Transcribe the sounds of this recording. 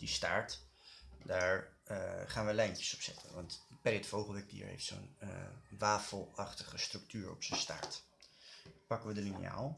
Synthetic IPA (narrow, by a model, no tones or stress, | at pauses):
dista̰ːɹt | daːɹ | χaːnʋəlɛjntə̥sɔ̥psɛ̰tʰə̰nʋɑntpɛɾətfowχəlˠʋɛk̚dḭə̰ɹɦḛjftso̰nʋaːfəlˠɑχtəχəstrɵk̚tyːɹɔ̰psənsta̰ːɹt | pɑkənʋədəlinḭja̰ːlˠ